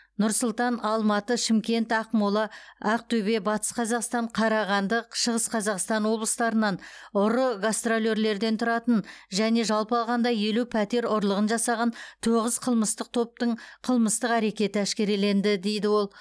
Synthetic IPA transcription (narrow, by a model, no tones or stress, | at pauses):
nʊɾsʊlˠt̪ɑnɑlˠmɑt̪əʃɪmkʲe̞nt̪ɑqmolˠɑæq̚t̪ʰɵbe̞bɑt̪ə̥sqʰɑzɑqst̪ɑɴqʰɑɾɑʁɑnd̪əqʃəʁəsqʰɑzɑqst̪ɑnwo̞blˠəst̪ɑɾənɑnʊɾəɡast̪rolʲe̞ɾle̞ɾd̪e̞nt̪ʰʊɾɑt̪ənʒæne̞ʒɑlˠpəɑlˠʁɑnd̪ɑje̞lupʰæt̪e̞ɾʊɾlˠəʁənʒɑsɑʁɑnt̪ʰoʁəzqʰəlˠməst̪əq̚t̪ʰo̞p̚t̪əɴqʰəlˠməst̪əqæɾe̞kʲe̞t̪ɪæʃkʲe̞ɾele̞nd̪ɪd̪e̞jd̪ɪwo̞lˠ